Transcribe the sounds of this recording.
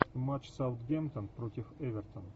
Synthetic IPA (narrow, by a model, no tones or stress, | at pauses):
əmat͡ʃsawt̪ɡʲɛmt̪ə̃npɾot̪ʲɪfɛvʲɛrt̪ʰə̃n